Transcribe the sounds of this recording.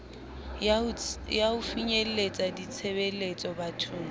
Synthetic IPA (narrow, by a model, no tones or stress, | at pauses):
jaʊfiɲelet͡sʼadit͡sʰebelet͡sʼɔbatʰuːŋ